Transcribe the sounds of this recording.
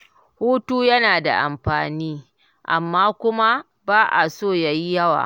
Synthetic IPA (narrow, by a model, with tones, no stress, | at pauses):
huː˦tuː˦jɐ˦naː˨da̰˨ʔa̰˨mɸaː˨niː˦ | ʔa̰˨mːaː˦kʷʊ˦ma˦ | baː˦ʔa̰˨soː˦˨ja˦ji˦jɐ˦wa̰ː˨